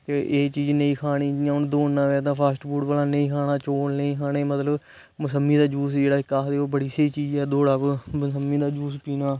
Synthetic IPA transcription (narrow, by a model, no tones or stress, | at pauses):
t̪eːʔeːt͡ʃiːd͡ʒnəĩːkʰaːniːjãːʊnd̪oːnnãːʋeːt̪̬ãːpʰaːsʈbuːʈbaːlaːnəĩːkʰaːnaːt͡ʃoːnnəĩːkʰaːneːmət̪ləb | mʊsəmːiːd̪aːd͡ʒuːsd͡ʒeːɽaːɪkːaːd̪eːoːbəɽiːsəiːt͡ʃiːd͡ʒɛːd̪oːɽaːpmsəmːĩːd̪aːd͡ʒuːspiːnaː